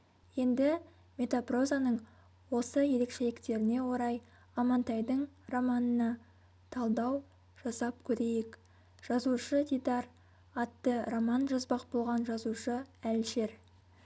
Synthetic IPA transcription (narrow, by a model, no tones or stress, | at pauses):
je̞nd̪ɪ | me̞t̪apro̞zanəɴ | wo̞səje̞ɾe̞kʃe̞lɪkt̪e̞ɾɪne̞wo̞ɾɑj | ɑmɑnt̪ɑjd̪əɴromɑnənɑ | t̪ʰɑlˠd̪ɑw | ʒ̥ɑsɑp̚kʲʰɵɾe̞jek | ʒ̥ɑzuʃəd̪ʲid̪ɑr | ɑt̪ːəromɑnʒɑzbɑq̚bo̞lˠʁɑnʒɑzuʃəælʃe̞ɾ